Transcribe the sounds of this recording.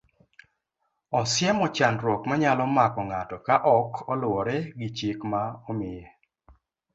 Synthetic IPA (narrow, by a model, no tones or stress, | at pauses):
ɔsɪɛmɔt͡ʃanɾwɔkmaɲalɔmakɔŋatɔkaʔɔkʰɔlʊɔɾɛɡɪt͡ʃɪkmaɔmɪje